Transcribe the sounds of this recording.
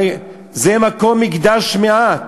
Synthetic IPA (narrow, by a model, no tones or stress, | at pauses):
zemako̞mːiɡd̪aʃmeat